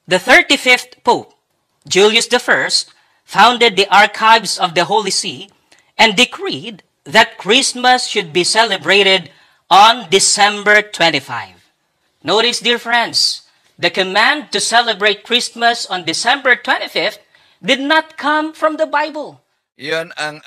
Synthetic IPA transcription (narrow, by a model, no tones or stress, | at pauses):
ðəθə˞tifɪfθpoʊp̚ | d͡ʒulˠjɨsd̪əfɜ˞st̚ | fãʊ̃nd̪ɨd̪̚iʔɑɹkʰaɪvsʌvd̪əɦolisi | ɛ̃ndɪkʰɹid̪̚ | ðæt̪̚kʰɹɪsməsʃʊd̪̚bisɛlɨbɹeɪɾɪd̪ | ɔ̃nd̪ɨsɛ̃mbə˞t̪ʰwɛ̃ntifa̰ɪv | noʊɾɪsdiɹfɹɛ̃nds | ðɨkɨmæ̃nd̪̚t̪ɨsɛləbɹeɪt̪̚kʰɹɪsməsɔ̃nd̪ɨsɛ̃mbə˞t̪ʰw̥ɛ̃ntifɪft | d̪ɨd̪̚nət̪̚kʰʌ̃mfɹʌ̃mðəbaɪbəlˠ | jn